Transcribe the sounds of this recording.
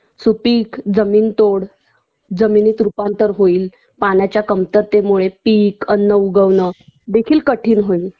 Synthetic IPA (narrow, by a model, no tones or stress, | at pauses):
supiːkd͡zəmiːnt̪oɽ | d͡zəminiːt̪ɾupant̪əɾɦoiːl | panjat͡ɕjakəmt̪əɾt̪emuɭepiːkənːəuɡəʋnəd̪ekʰiːlkəʈʰiːnɦoil